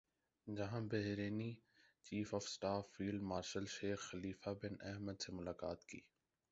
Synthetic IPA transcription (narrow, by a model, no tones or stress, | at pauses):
d͡ʒɐɦãbɛɦɾeːni | t͡ʃiːfɔːfsʈaːfːiːlɖmaːɾʃəlʃeːxxɐliːfabɪnɛɦməd̪semʊlaːkaːt̪kḭː